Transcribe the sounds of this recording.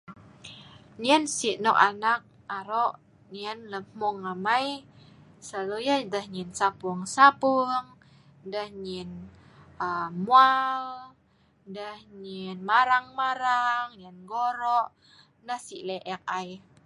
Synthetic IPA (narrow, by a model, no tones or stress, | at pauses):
ɲiənsiʔnɔʔanak̚ | aɾɔʔ | ɲiənləmmɔŋamaj | salujadəhɲinsapuŋsapuŋ | dəhɲin | əmual | dəhɲinmaɾaŋmaɾaŋɲənɡoɾɔʔ | nahsiʔlɛʔɛk̚aj